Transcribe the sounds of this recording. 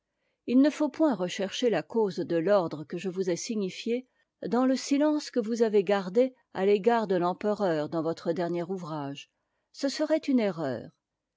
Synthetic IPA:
ilnəfopwɛ̃ʁəʃɛʁʃelakozd̪əlɔʁd̪ʁəkəʒəvuzɛsiɲifje | d̪ɑ̃ləsilɑ̃skəvuzaveɡaʁd̪e | a̰leɡaʁd̪əlɑ̃pəʁœʁd̪ɑ̃vɔt̪χəd̪ɛʁnjɛʁuvʁaʒ | səsəʁɛt̪yneʁœ̰ːʁ

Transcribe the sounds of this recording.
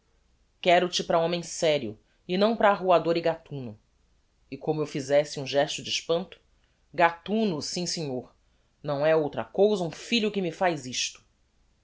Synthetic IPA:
kɛɾʊt͡ʃɪpɾɐõmẽj̃sɛɾjʊ̰ | ɪnɐ̃w̃pɾɐːɦuad̪oɾɪɡat̪ũnʊ | ɪkõmʊewfizɛsɪũʒɛʃt̪ʊd͡ʒiʃpɐ̃nt̪ʊ̥ | ɡat̪ũnʊsĩsẽɲoɾ | nɐ̃w̃ɛowt̪ɾɐ̰kowzɐũfiʎʊkɪmɪfajziʃt̪ʊ̥

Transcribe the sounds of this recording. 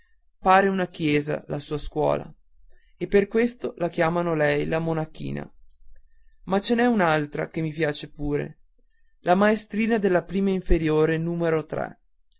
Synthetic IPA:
paːɾeunakjɛːza̰lasuːaskwɔ̰ːla̰ | epːerkwest̪olak̟jaːmanolɛjlamonakḭːna̰ | mat͡ʃenɛunalt̪ɾa̰kemːipjaːt͡ʃepuːɾḛ | lamaest̪ɾiːnad̪elːapɾiːmaiɱfeɾjoːɾenuːmeɾot̪ɾɛ̰

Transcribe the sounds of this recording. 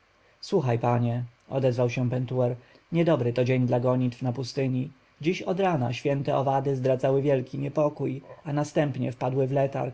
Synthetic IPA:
swuxajpaɲɛɔ̰d̪ɛzvawɕɛ̃pɛnt̪uɛɾ | ɲɛd̪ɔbɾɘt̪ɔd͡ʑeɲd̪laɡɔɲit̪fnapust̪ɘɲi | d͡ʑiɕɔd̪ɾana̰ɕfʲjɛnt̪ɛɔvad̪ɘzd̪ɾad̪zawɘvʲjɛlkʲiɲɛpɔkujanast̪ɛmpɲɛ̰fpad̪wɘvlɛt̪a̰ɾ

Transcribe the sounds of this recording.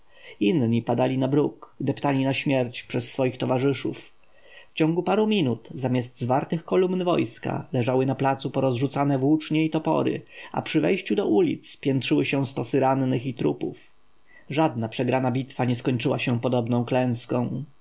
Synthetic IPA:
inɲipad̪alʲinabɾukd̪ɛpt̪alʲinaɕmʲjɛɾt͡ɕpʂɛsːfɔjixt̪ɔvaʐɘʂuf | ft͡ɕɔ̃ŋɡupaɾumʲinut̪zamʲjasd̪zvaɾt̪ɘxkɔlumnvɔjska̰lɛʐawɘnaplat̪supɔɾɔzʐut̪sanɛvwut͡ʂɲɛit̪ɔpɔ̰ɾɘ̰a̰pʂɘvɛjɕt͡ɕud̪ɔʔulʲḭt̪spʲjɛntʂɘwɘɕɛw̃st̪ɔsɘɾanːɘxit̪ɾupṵf | ʐad̪napʂɛɡɾanabʲit̪faɲɛskɔɲt͡ʂɘwaɕɛ̃pɔd̪ɔbnɔ̃w̃klɛ̃w̃skɔ̃w̃

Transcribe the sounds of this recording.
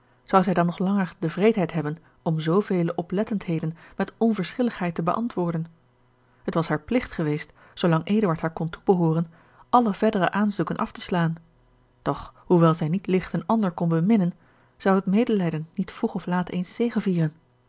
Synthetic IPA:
z̥ɑwzɛjdɑnːɔχlɑŋəɹdəvrejtɦɛjtɦɛbən | ɔmzowvejləʔɔplɛtəntɦejdənmɛtɔnvəɹsχɪləχɦɛjtəbəʔɑ̰ntʋʊːɹdən | ɦətʋɑsɦaːɹplɪχtχəʋejst | sowlɑŋʔeːdəʋaɹtɦaːɹkɔntubəɦoːrən | ʔɑləv̥ɛɹdərəʔaːnzukənʔɑ̰ftə̥slaːn | d̥ɔχhuʋɛlˠzɛjnitlɪχtənɑndəɹkɔnbəmɪnən | z̥ɑwɦətmeːjdəlɛjdənːitfruχɔflaːtejnstejχənviːrən

